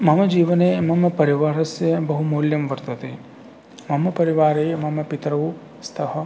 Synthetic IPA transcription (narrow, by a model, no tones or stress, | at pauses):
mɐmɐd͡ʒiːʋɐneːmɐmɐpɐɾiʋaːɾɐsjɐbɐɦumoːljɐmʋɐɾt̪ɐt̪eː | mɐmɐpɐɾiʋaːɾeːmɐmɐpit̪ɾɐʋu | st̪ʰɐɦɐ̆